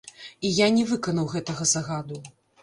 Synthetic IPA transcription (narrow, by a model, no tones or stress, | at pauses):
ijanʲɛvɨkɐnɐwɣɛt̪ɐɣɐzɐɣad̪u